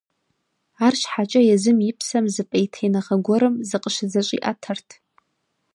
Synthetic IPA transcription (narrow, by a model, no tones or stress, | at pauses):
arʃħat͡ʃʼɐjɛzɨmjɪpʰsɐmzɨpʼɐjtʰejnɐʁɐɡʷɔɾɨmzɨqʼəʃzɐɕʷʼḭʔa̰tʰɐrtʰ